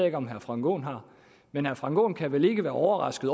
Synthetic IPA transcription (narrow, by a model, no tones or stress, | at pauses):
e̝ɡ̥əɒ̽mɦæɐfʁɑ̈ŋɡ̥o̝̰ːnɦɑ̈ | menhæɐfʁɑ̈ŋɡ̥o̝̰ːnkʰæʋele̝ɡ̥əʋæːɐʔɒʊɐʁɑ̈sɡ̥ð̩ˠ